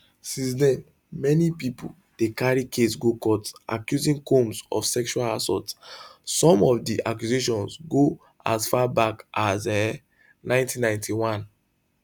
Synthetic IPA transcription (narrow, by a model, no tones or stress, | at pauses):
sĩns̬dɛ̃n | mɛnipipṵ | d̥ekaɹikʰesɡokɔtʔa̰kjuzĩŋkõmsɔ̰fsɛkʃualasɔ̰tsɔ̃mɔfdiʔakjuzeʃɔ̃nsɡo | a̰sfabakazɛ | nãɪ̃ntʰĩnːãɪ̃ntʰiwãn